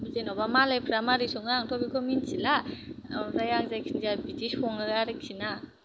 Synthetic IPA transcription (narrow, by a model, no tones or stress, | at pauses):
buzenobamalajpʰɾamaɾisoŋaŋtʰobikʰominsʰila | zajaŋzajkʰinzabitishoŋɯaɾiksʰina